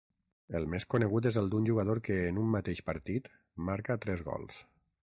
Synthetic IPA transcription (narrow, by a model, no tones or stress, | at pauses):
əlˠmeskunəɣ̞ut̪̬ezəlˠd̪unʲʒuɣað̞oɾkəːnumːat̪eʃpəɾt̪it̪ | maɾkat̪ɾɛzɣɔ̰lˠs